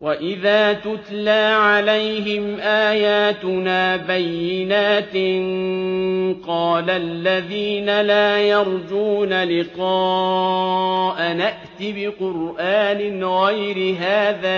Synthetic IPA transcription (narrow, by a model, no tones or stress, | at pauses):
waʔɪðaːt̪ʊt̪laːʕalajhɪmʔaːjaːt̪ʊnaːbajːɪnaːt̪n | qɑːlalːaðiːnalaːjɑɾˤd͡ʒuːnalɪqɑː | ʔanaʔt̪ɪbɪqʊɾʔaːnɪɣajɾɪɦaːðaː